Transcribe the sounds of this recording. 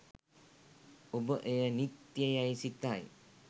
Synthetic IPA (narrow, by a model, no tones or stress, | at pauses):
obəʔejənit̪ːjəjajsit̪aj